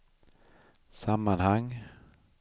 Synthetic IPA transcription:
samːanhaŋ

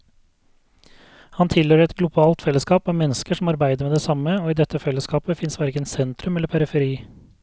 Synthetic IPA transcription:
hɑnt̪ʰɪlhøːɾəɾɛt̪ɡlʊbɑːlt̪fɛlːəskɑːpɑʋmɛnəskəʂɔmɑɾbæɪd̪əɾmeːd̪eːsɑməoːiːd̪ɛt̪ːəfɛlːəskɑːpəfɪnsʋæɾkənsɛnt̪ɾʉmɛləɾpʰæɾɪfɛɾiː

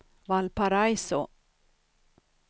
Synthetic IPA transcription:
valpaɾajsʊ

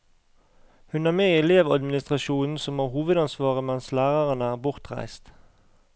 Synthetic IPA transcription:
hʉnæːʁmeːiːleːʋɑd̪mɪnɪst̪ʁɑʃuːnn̩sɔmɑːhuːʋəd̪ɑnsʋɑːʁəmɛnslæːʁəʁənəæːʁbʊʁt̪ʁæ̰ɪst̪

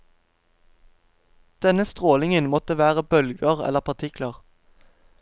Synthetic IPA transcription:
d̪̥ɛnəst̪ʁoːlɪŋənmɔt̪əʋæːʁəbœlɡəʁɛ̰ləʁpʰɑʁt̪ʰɪkləʁ

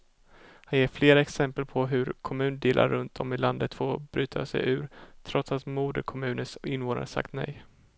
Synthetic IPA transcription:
hanjeːɾfleːɾaɛksɛmpəlpʰɔɦɵɾkʰɔmʉ̟ːnd̪iːlʔa̰ɾːɵnt̪ɔmɪland̪ət̪ʰːvoːbɾyːt̪ʰa̰sɛ̰jʔʉ̟ːɾt̪ʰɾɔt̪sat̪muːd̪əɾkʰɔmʉ̟ːnənsɪnːvoːna̰ɾəsa̰kt̪nɛ̰j

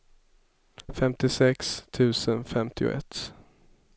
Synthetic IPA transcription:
fɛmt̪ɪsɛkst̪ʰʉ̟ːsənfɛmt̪ʰɪʊ̰ʔɛ̰t̪ː

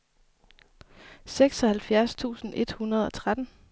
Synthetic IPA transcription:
seɡ̥sɒ̽hælfjæɐst͡sʰṵːsn̩ʔe̝d̥hunɐð̞ˠɒ̽t͡sʰʁad̥n̩

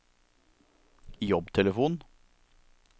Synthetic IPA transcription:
jɔbt̪ʰɛləfuːn

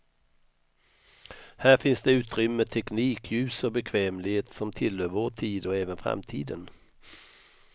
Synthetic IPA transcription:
hæːɾfɪnsd̪ɛʉ̟ːt̪ɾʏmːət̪ʰɛkniːkʰjʉ̟ːsɔbɛkʰvɛːmlɪheːt̪sɔmt̪ʰɪlːøːɾvoːʈʰiːd̪ɔɛːvənfɾa̰mt̪ʰiːd̪ən

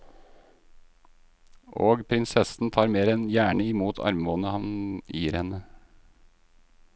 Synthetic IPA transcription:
ʔoːɡpʰɾɪnsɛsn̩t̪ʰɑːɾmeːɾɛnjæːɳəɪmuːt̪ʰɑ̰ɾmoːnəhɑnjiːɾhɛnə

